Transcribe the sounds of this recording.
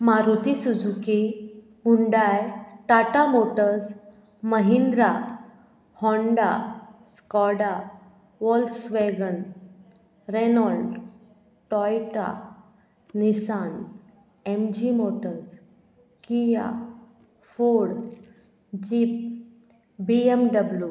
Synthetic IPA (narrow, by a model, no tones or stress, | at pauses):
maɾut̪isud͡zʱuki | uɳɖajʈ̪aʈamoʈəɾs | məɦind̪ɾa | hɔ̃ɳɖa̰skɔɽa | ʋɔlsʋeɡən | ɾenɔlɖ | ʈɔjʈa̰ | nisan | emd͡ʑimoʈəɾs | kija̰ | foɽ | d͡ʑiːp̚ | biemɖəblju